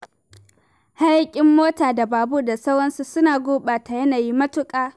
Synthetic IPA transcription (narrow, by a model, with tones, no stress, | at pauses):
ha˦jkʲʼɪ˨mːoː˦taː˨da˨baː˨bu˦da˨sɐ˦wɽɐ˦nsu˨sʊ˦naː˨ɡʷoː˦ɓaː˨ta˨jɐ˦naː˨ji˦mɐ˦tʊ˦kʼaː˦